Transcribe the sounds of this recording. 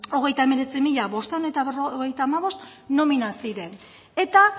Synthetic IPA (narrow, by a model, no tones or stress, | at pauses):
o̞ɣ̞e̞jt̪aeme̞ɾe̞t͡simiʎaβo̞st̪anet̪aβerooɣe̞jt̪aːmaβo̞st̪ | no̞minasiɾe̞n | e̞t̪a